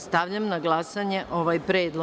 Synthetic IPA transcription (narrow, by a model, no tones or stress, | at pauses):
st̪aʋʎamnaɡlˠasaɲeʔo̞ʋajpɾeːd̪lo